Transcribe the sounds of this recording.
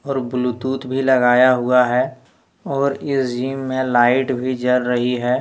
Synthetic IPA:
ɔːɾbʊlʊt̪uːt̪bʱilɐɡaːjaɦʊaɦɛ | ɔːɾɪsd͡ʒiːmːẽlaːɪʈbʱid͡ʒɐɾɾəɦiɦɛː

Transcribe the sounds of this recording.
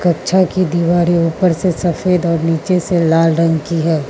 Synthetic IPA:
kɐkt͡ʃʰakid̪iːʋaːɾeuːpəɾsesɐfeːd̪ɔːɾniːt͡ʃeselaːlɾɐ̃ŋɡkiɦɛː

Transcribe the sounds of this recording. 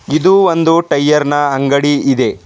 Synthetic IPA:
id̪uʋond̪uʈɐjːɐɾnɐɐŋɡɐɽiid̪e̞

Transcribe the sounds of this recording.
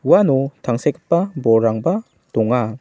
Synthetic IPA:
uwanɔtʰaŋsekʰɯpːabɔɾaŋba | dɔŋa

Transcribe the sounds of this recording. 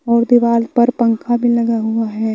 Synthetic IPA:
ɔːɾd̪ɪʋaːlpɐɾpɐ̃ŋkʰabʱilɐɡaɦuaɦɛː

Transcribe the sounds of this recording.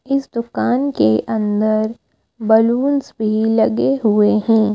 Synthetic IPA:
ɪsd̪ʊkaːnkeʔɐ̃nd̪əɾ | bɐluːnsbʱilɐɡeɦʊeɦɛ̃ː

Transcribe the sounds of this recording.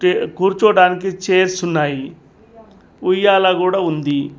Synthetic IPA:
eɡʱuɾt͡ʃoːɽaːnik̬it͡ʃeːɾsunːaːji | ujːaːlaɡuːɽaund̪i

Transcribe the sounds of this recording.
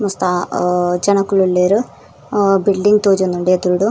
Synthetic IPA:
must̪ad͡ʑɐɳɐkːuɭulːeːɾɨ | bilɖiŋɡt̪oːd͡ʑunːuɳɖɨed̪uɾuɽu

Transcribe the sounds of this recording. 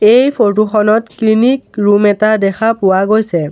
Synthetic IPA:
ejpʰot̬uxɔnɔtklinikɹumɛtadɛxʰapʊwaɡojsɛ

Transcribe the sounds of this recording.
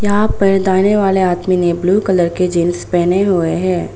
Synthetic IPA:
jɐɦãpɐɾd̪aːneʋaːleaːt̪minebluːkələɾked͡ʒɪnspɛɦneɦueɦɛ̃ː

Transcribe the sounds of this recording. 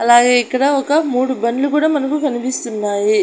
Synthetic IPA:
ɐlaːɡeːkːɐɽaːɔkːɐmuːɽubɐnlukuːɽaːmɐnɐkukɐnipist̪unːaːji

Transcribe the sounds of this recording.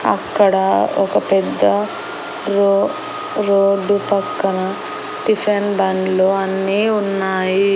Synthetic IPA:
ɐ̰kːɐɽɐɔkɐpɛd̪ːɐ | ɾo | ɾoːɖupɐkːɐnɐ | ʈipʰenbɐnloːɐnːiːunːaːji

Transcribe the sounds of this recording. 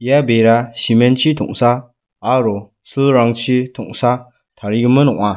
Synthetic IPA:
ijabeɾasimɛnt͡ʃʰit̪ʰɔŋsaː | ɾɔ | sɯlɾaŋt͡ʃʰitʰɔŋsa | t̪ʰaɾiɡɯmɯnɔŋa

